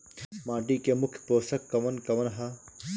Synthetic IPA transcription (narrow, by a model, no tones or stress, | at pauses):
maːʈikemukʰpoːsɐkːɐʋɐnkɐʋɐnɦa